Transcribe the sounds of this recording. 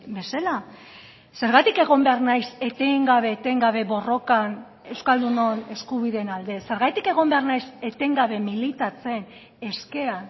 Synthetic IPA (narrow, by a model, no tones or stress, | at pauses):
be̞sela | se̞ɾɣat̪ike̞ɣ̞o̞mbe̞aɾnajse̞t̪eŋɡaβe̞ːt̪e̞ŋɡaβ̞e̞βo̞ro̞kan | e̞wskald̪unone̞skuβ̞iðe̞nald̪e̞se̞ɾɣajt̪ike̞ɣ̞o̞mbe̞arnajse̞t̪e̞ŋɡaβ̞e̞milit̪at͡se̞n | e̞ske̞an